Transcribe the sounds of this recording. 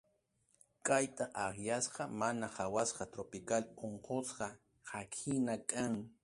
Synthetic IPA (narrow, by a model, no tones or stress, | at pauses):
kʼajt̪aʔaχjasqɑmanaχawasqɑt̪ɾopɪkaloɴqosqɑ | hakʰɪnakʼaŋ